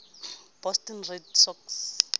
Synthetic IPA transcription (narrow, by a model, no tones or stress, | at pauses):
b̥ɔstɔnredsɔks